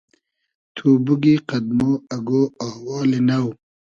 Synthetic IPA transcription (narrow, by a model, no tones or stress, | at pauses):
t̪ʰuːbuɡiqɐd̪̚moːɐɡoːahwɑːlenɐw